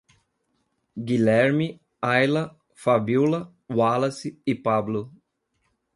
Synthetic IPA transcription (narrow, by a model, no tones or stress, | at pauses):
ɡilɛɾmi | ajlɐ | fabilɐ | walɐsɪɪpablʊ